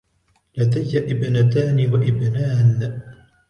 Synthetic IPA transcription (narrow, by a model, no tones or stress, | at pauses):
lad̪ajːaʔɪbnat̪aːnɪwaʔɪbnaːn